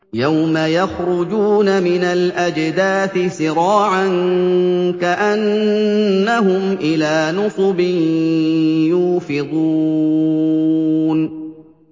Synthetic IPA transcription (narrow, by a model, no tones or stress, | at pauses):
jawmajaxɾʊd͡ʒuːnamɪnalʔad͡ʒd̪aːθɪsɪɾɑːʕan | kaʔanː | aɦʊmʔɪlaːnʊsˤʊbɪn | juːfɪd̪ˤu | n